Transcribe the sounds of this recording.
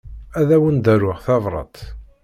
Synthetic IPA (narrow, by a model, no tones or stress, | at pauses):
æðæwənd̪æɾʊʁθɑvɾˤɑ̰t̪